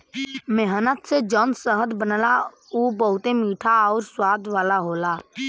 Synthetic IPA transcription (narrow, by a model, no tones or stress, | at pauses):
meɦənət̪sed͡ʒɔːnsəɦəd̪bənəla | uːbəɦʊt̪emiːʈʰaɔːɾswaːd̪ʋaːlaɦoːlaː